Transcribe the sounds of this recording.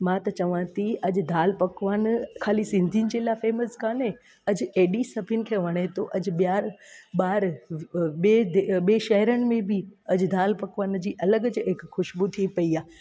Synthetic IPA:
mãːt̪ɐt͡ɕɐʋãt̪ʰiɐd͡ʑ̆d̪ʱaːlpɐkʋaːnkʰaːlisɪ̃nd̪ʱijʊnɪ̆d͡ʑeːlafeːməskaːne | ɐd͡ʑeːɗisɐbʱɪʊnɪ̆kʰeːʋɐɽ̃et̪ʰoʔɐd͡ʑ̆ɓijaːɾɓaːɾ | ɓeːd̪eɓeːʃɐɦɾəɽ̃ɪ̆mẽbʱɪɐd͡ʑd̪ʱaːlpɐkʋaːnd͡ʑiːʔɐləɡəd͡ʑɦɪkxʊʃbut̪ʰipɐiaː

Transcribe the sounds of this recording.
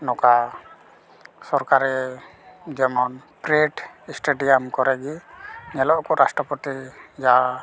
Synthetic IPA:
nɔka | sɔɾkaɾɛ | d͡ʒɛmɔnpɾeʈsʈeɖijamkɔɾɛɡiɲɛlɔʔkɔɾasʈɾɔpɔt̪id͡ʒa

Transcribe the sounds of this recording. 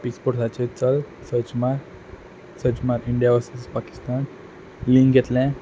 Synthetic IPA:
pikspɔɾsat͡ɕet͡səlsət͡ɕmaɾ | sət͡ɕmaɾiɳɖijaʋəsespaki̥st̪an | lĩŋɡʱɛt̪lɛ̃

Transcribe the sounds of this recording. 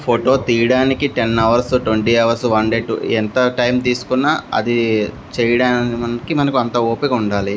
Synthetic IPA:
pʰoʈoːt̪iːjɐɽaːnikiʈenːɐʋɐɾsuʈʋeɳʈiːɐʋɐɾsʋɐɳɖeːʈṵent̪ɐʈɐjmt̪iːsu̥kunːaɐ̰d̪i | t͡ʃɛːjɐɽaːnɐnɐkimɐnɐkuɐnt̪ɐoːpekɐuɳɖaːli

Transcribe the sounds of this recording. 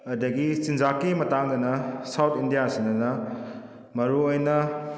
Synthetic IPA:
ɐdɐɡisind͡ʒakimɐtaŋd̪ɐnɐsawt̪ʰindijasinɐnɐ | mɐɾuojnɐ

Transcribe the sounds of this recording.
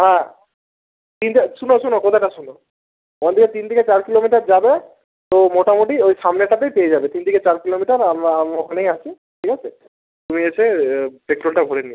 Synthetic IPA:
ɦã | t̪ind̪iʃunoʃunokot̪ʰaʈaʃuno | onad̪iket̪ind̪ʱiket͡ɕaɾkilomiʈaɾd͡ʑabe | t̪omoʈamoʈiojʃamneʈap̪ejpeed͡ʑabet̪ind̪ʱiket͡ɕaɾkilomiʈaɾamamokʰanejat͡ɕʰe | ʈʰikʰat͡ɕʰe | t̪umiet͡ɕʰepekʈɾolʈabʱoɽenie

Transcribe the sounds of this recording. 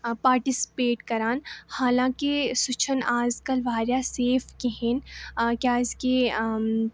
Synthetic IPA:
paːɾʈɪsɪ̥peːʈkɐɾaːnhaːlãːkisʊt͡ʃʰənaːzkɐlʋaːɾjaseːfkeɦẽnkjaːɪzke

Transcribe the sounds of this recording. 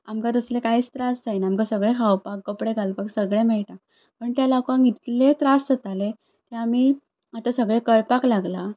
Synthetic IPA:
amkat̪əslekait͡st̪ɾasd͡zajnaamkasəɡɭẽkʰawpakːəpɽeɡalpaksəɡɭẽmɛɭʈa | pəɳt̪jalakãŋɡit̪let̪ɾastət̪ale | t̪eamiː | at̪asəɡɭẽkəɭpaklaɡla

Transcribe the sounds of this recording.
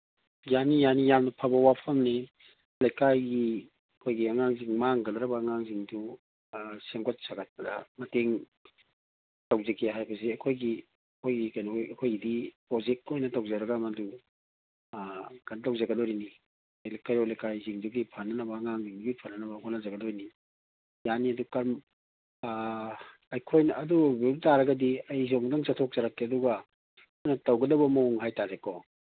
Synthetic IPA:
janijanijamnɐpʰabɐwapʰɐmni | lajkajɡi | ɐkʰojɡiɐŋaŋziŋmaŋɡɐlɾɐbɐːŋaŋziŋdu | seŋɡɔt̚saɡat̚pɐda̰mɐteŋ | tawzekʰeɦajbɐs̬iɐkʰojɡi | ɐkʰojɡikajnɔɐkʰojɡidipɾozek̚tojnɐtawzɐɾɐɡamɐdu | ɡ̥antawzɐɡɐdɔɾini | alekaɾɔlekajziŋduɡipʰanɐnɐbɐŋaŋziŋduɡipʰanɐnɐbɐkʰɔnazɐɡɐdɔɾini | janiɐdukaɾm | ɐjkʰojnɐːdubeltaɾɐɡɐdiɐjzoŋdaŋsatʰok̚zaɾakːeɐduɡɐ | kʰojnɐtɐwɡɐdɐbɐmoŋɦajtaɾekɔ

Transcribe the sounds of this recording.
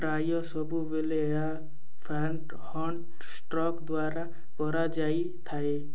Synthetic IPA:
ɾajɔsɔbʱubele | a | pʰɾaɳʈ | hɔɳʈ | sʈɾɔkd̪waɾa | kɔɾad͡ʒaj | t̪ʰae

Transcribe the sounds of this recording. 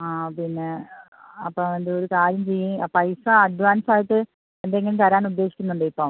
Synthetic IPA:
aːpinːe̞ | ɐpːoend̪ɨoɾukaːɾjɐmt͡ɕejːupɐjsɐɐɖʋaːnsaːjiʈːɨ | end̪eŋːɐnet̪ɐɾaːnud̪ːeːɕikʲːunːuɳɖ̪ɐipːoː

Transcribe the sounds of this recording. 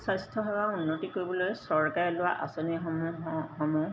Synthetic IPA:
sastʰɔɦɔwaunːotikoɹibɔlojsɔɹkaɹɛlʊwaʔa̰soniɦmuɦɦɔmu

